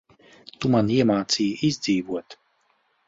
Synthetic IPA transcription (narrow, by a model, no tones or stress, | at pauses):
t̪umaniɛmaːt̪siːizʲd̪ziːvuɔt̪